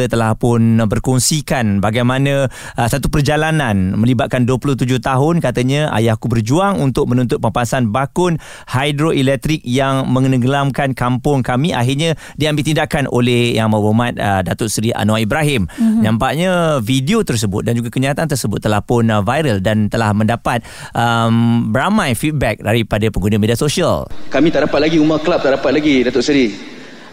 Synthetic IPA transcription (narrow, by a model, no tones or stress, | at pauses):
ət̪əlahpʊnbərkɔŋsikanbaɡajmãnã | əsat̪upərd͡ʒalananmə̃libat̪̚kanduəpulʊht̪̬ud͡ʒʊht̪aɦʊnkat̪aɲãʔa̰jahkubərd͡ʒuaŋunt̪ʊk̚mənũnt̪ʊt̪̚pəmpasanbakʊn | hajdɾoʔilɛk̚t̪ɾik̚jaŋmə̃ŋənəɡəlamkankampʊŋkamiʔa̰ɦɪrɲa | diambɪlʔt̪indakanʔo̰lɛhjaŋmabomãt̪̚ə̰dat̪ʊʔsɾiʔa̰noaibɾaɦɪmɲãmpaʔɲãvidiot̪ərs̬əbʊ̰t̪̚dand͡ʒuɡakəɲiat̪ant̪̬ərsəbʊt̪ːəlahpʊnvajɾəldant̪əlahmə̃ndapat̪̚ | ʔəmbəɾamãjfit̪̚bɛk̚daɾipadapəŋɡunamediasoʃia̰lkamĩt̪aʔdapat̪̚laɡiumaklap̚t̪aʔdapat̪̚laɡidat̪ʊʔsɾi